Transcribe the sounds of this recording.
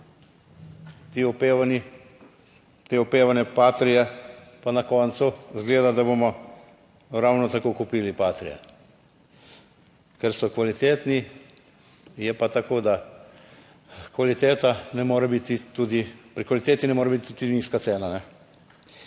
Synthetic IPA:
t̪iɔpeːʋani | t̪eːɔpeːʋanɛpaːt̪ɾijɛpanakɔːnt̪suzɡleːd̪ad̪aboːmɔ | ɾawnɔt̪akokupiːlipaːt̪ɾijɛ̰ | kɛɾsɔkʋalit̪eːt̪ni | jɛpat̪akoːd̪a | kʋalit̪eːt̪anɛmoːɾɛbit̪it̪uːd̪ipɾikʋalit̪eːt̪inɛmoːɾɛbit̪it̪t̪ud̪iniːskat̪seːnanɛ

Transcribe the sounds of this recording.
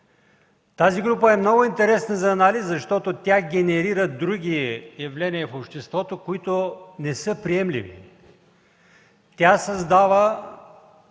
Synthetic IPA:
t̪aziɡɾupəɛmnɔɡʊint̪ɛɾɛsnəzɐːnaliszɐʃt̪ɔt̪ot̪ʲaɡʲɛnɛɾiɾəd̪ɾuɡʲijɐvlɛniəfopʃt̪ɛst̪vɔt̪okoit̪onɛsɤpɾiɛmlḭvḭ | t̪ʲasɐzd̪avə

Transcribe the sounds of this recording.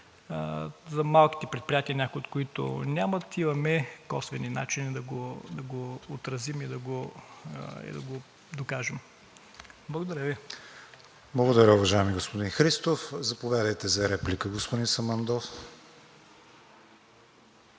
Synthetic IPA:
zɐmalˠki̥t̪ɛpɾɛt̪̚pɾʲijat̪iɐnʲakʊjot̪̚koit̪ʊ̰nʲamɐt̪imɐmɛkɔsvɛnina̰t͡ʃinid̪ɐɡod̪ɐɡoːt̪ɾɐzimid̪ɐɡo | ḭd̪ɐ̰ɡo | d̪okaʒɛm | blˠɡod̪ɐɾʲəvi | blˠɐɡod̪ɐɾʲəʊvɐʒajɛmiɡospod̪inxɾist̪ofzɐpovʲjad̪əjt̪ɛzɐɾɛplikəɡospʊd̪insɐmɐnd̪ɔf

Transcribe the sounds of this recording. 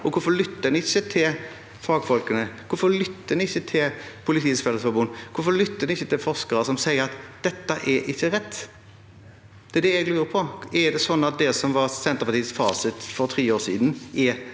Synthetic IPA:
ɔkʰʊɾfɔlʏt̪ːənəɪçːət̪ʰɪl | fɑːɡfɔlkənəkʰʊɾfɔlʏt̪ːənəɪçːət̪ʰɪlpʰʊlɪt̪ʰiːsfɛləsfɔbuːnkʰʊfɔlʏt̪ːənɪçːət̪ʰɪlfɔʁskəɾəsɔmsæɪəɾɑt̪d̪̥ɛt̪ːəʔɛʔɪçːəɾɛt̪ː | d̪̥ɛɛd̪ɛɛɡlʉːɾəpʰɔɛd̪ɛsɔnːɑt̪̚d̪ɛsɔmʋɑɾsɛnt̪əʁpɑʁt̪iːsfɑ̰ːsɪt̪fɔɾt̪ʰʁiːoːsḭːd̪nɛ

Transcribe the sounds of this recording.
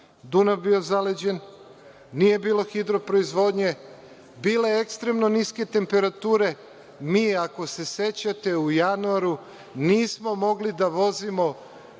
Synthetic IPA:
d̪unabbio̞zaled͡ʑe̞n | nije̞biːlˠo̞xid̪ɾo̞pɾo̞izʋo̞ːd̪ɲe̞ | biːle̞ekst̪ɾe̞mno̞niske̞t̪e̞mpe̞ɾat̪uːɾe̞ | miːako̞se̞se̞t͡ɕat̪e̞ujanuaɾu | niːsmo̞mo̞ɡlid̪aʋo̞zimo̞

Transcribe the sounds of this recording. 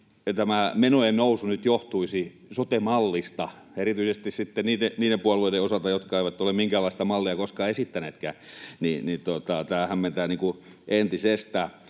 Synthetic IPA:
t̪æmæmenoennousunyt̪joht̪uisi | sot̪emɑlːist̪ɑ | erit̪yisest̪issit̪ːenniːteniːdempuɑlːˑoideosɑlt̪ɑjot̪kɑeiʋæt̪ːolemmiŋkæːlːˑɑist̪ɑmɑlːiɑkoskɑesit̪ːæneːt̪kæ̰ːninit̪ot̪ɑt̪æːhæmment̪æːniːŋku | ʔent̪isest̪æ

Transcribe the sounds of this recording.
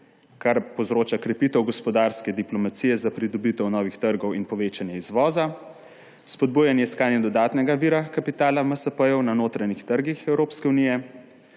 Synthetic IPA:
kaɾpowzɾoːt͡ʃakɾɛpiːt̪ɛwɡɔspɔd̪aːɾskɛd̪iplɔmat̪siːjɛzapɾid̪ɔbit̪ɛwnɔːʋixt̪əɾɡɔwinpɔʋeːt͡ʃanjɛizʋɔːza | spɔd̪̚bujanjɛiskaːnjɛd̪ɔd̪aːt̪nɛɡaʋiɾakapit̪aːlaməsəpəjɔwnanoːt̪ɾanixt̪əɾɡixɛwɾoːpskɛunijɛ

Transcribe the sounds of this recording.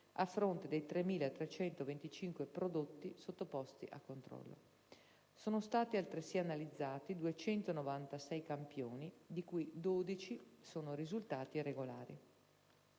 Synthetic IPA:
afːɾont̪ed̪ejt̪ɾemːiːlaet̪ɾet͡ʃɛnt̪ovent̪it͡ʃiŋkwepɾod̪ot̪ːisot̪ːopɔst̪ḭʔakːont̪ɾɔ̰lːo̰ | soːnost̪aːt̪ialt̪ɾesianalid̪zːaːt̪id̪uet͡ʃɛnt̪onovant̪asɛjkampjoːnid̪ikujd̪oːd̪it͡ʃisoːnoɾizult̪aːt̪irːeɡolaːɾḭ

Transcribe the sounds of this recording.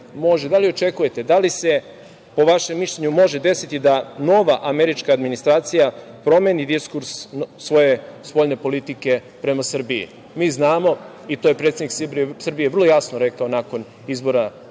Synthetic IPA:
mo̞ʒed̪alio̞t͡ʃe̞kuje̞t̪e̞d̪alise̞ | po̞ʋaʃemːiʃʎeɲumo̞ʒe̞d̪e̞sit̪id̪ano̞ʋaʔame̞ɾit͡ʃkaːd̪minist̪ɾaːt̪sijapɾo̞me̞nid̪iskuɾsːʋo̞je̞spo̞ʎne̞po̞lit̪ike̞ | pɾe̞masr̩biḭ | miːznaːmo̞ | it̪ojepɾe̞t̪seniksbsr̩bijevr̩lˠo̞jasnoɾe̞kao̞nako̞n | izbo̞ɾa

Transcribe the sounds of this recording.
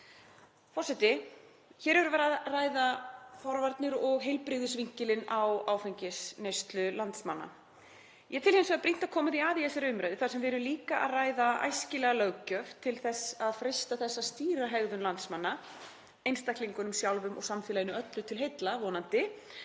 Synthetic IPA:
fɔrsɛt̪ɪ | çɛɾɛvʏɾvɛɾaðraːjðafɔɾvaɾt̪nɪɾɔɣɦejlpɾɪːɣðʏsviɲ̥cɪlɪnawaːwfejɲcɪsnejst̪lʏlant̪smanːa̰ | jɛt̪ʰɪlhemnsvɛðapɾin̥t̪aðkʰɔːmaðiaːðiɛsɪɾʏmɾajðɪθaɾ̥sɛmvɛɾʏliːkaʔa̰ðraːjðaa̰jscɪlɛɣalœɣcœft̪ʰɪlθɛsaðfɾejst̪aθɛsːast̪iːɾaɦɛɣðʏnlant̪smanːa | ejnst̪ahkliŋkʏnʏmsjawlvʏmʔɔ̰ɣsamfɪːlajɪnʏœt̪lʏt̪ʰɪlɦejt̪lavɔːnant̪ɪ

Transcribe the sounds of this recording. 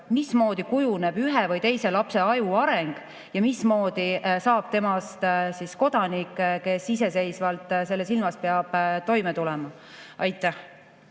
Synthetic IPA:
mismo̞ːd̪̥ikujuneb̥yɦevɤjt̪e̞jse̞lɑpse̞ɑjuɑɾeŋɡ̥ | jɑmismo̞ːd̪̥isɑːb̥̚t̪e̞mɑst̪sisko̞d̪̥ɑnikːˑke̞sise̞se̞jsvɑlt̪ːˑse̞lːes̬ilmɑspeɑb̥t̪o̞jmet̪ulɛmɑ | ʔɑjt̪ːˑæh

